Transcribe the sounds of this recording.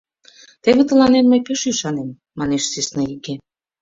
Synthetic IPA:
t̪eβĕt̪ə̆lɑnemːəjpeʃyʃɑnemːɑneʃsisnɑiɣe

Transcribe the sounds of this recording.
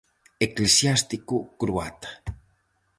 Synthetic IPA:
eklesjast̪ikukɾuat̪ḁ

